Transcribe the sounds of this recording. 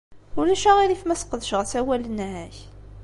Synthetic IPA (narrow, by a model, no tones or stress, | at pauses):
ulæʃæʁilifmæsə̥qəðəʃʁθæwælənʕæç